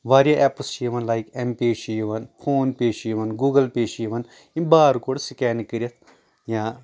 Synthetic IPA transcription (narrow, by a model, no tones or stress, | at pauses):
ʋaːɾijɐʔɛplst͡ʃiʋɐ̃nlajkẽmpeːʃijiʋɐnpʰoːnpeːʃjiʋɐnɡuːɡɐlpeːʃiʋɐn | ĩnbaːɾkoɽsikɛːnikɨɾjɐt̪ʰ | jã